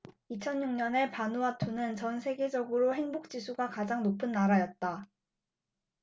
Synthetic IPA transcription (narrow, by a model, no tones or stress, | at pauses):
it͡ɕʰʌnɲuŋɲʌne̞panuatʰonɯnt͡ɕʌnsʰe̞ɡe̞d͡ʑʌɡɯɾoɦe̞ŋbok̚t͡ɕ͈isʰuɡakad͡ʑaŋnopʰɯnːaɾajʌt̚t͈a